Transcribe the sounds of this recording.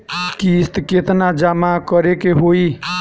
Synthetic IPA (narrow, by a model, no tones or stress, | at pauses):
kist̪ket̪nad͡ʒamakəɾekeɦoi